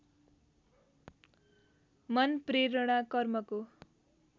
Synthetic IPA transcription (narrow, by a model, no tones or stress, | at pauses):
mʌnpreɾʌɽ̃akʌrmʌko